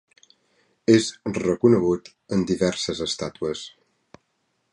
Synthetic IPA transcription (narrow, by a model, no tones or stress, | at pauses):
ezrəkunəɣut̪ | ənd̪iβɛɾsəzəst̪at̪uəs